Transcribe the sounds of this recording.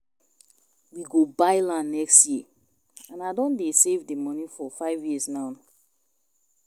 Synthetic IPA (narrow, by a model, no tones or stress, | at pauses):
wiɡobaɪlãnːɛkstji | ãnaɪdɔ̃ndesevdemɔnifɔfaɪvjiəsnãʊ̃n